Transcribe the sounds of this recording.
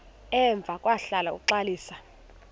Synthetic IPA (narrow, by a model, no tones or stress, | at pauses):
ɛɱb̪vʱakʼwaɬalaṵkǁaliːsa